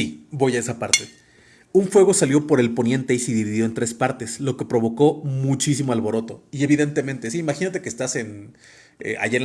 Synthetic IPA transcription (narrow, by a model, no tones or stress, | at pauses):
ibo̞jae̞sapaɾt̪e̞ | uɱfwe̞ɣo̞saljo̞po̞ɾe̞lpo̞nje̞nt̪e̞iseðiβiðjo̞e̞nt̪ɾe̞spaɾt̪e̞slo̞ke̞pɾo̞β̞o̞ko̞mut͡ʃisimoalβo̞ɾo̞t̪o̞ie̞β̞iðe̞nt̪e̞mẽ̞nt̪e̞siimaxinat̪e̞keːst̪ase̞n | ḛa̰ʝaen